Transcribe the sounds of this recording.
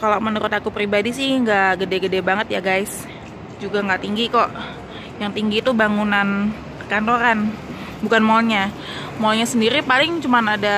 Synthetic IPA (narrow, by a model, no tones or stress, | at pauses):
kalamənuɾʊt̪akupɾibadisɪhŋɡaʔɡədɛɡədɛbaŋət̪jaɡajs | d͡ʒuɡaŋɡaʔt̪iŋɡikɔʔ | jaŋt̪iŋɡiːt̪ubaŋunan | pərkant̪oɾan | bukanmolɲa | moɔlɲasəndiɾipalɪŋt͡ʃumanada